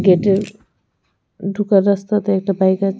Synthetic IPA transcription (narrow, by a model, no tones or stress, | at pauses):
ɡeʈe | ɖʱukʌɾʌst̪ʌt̪ʌek̚ʈabajka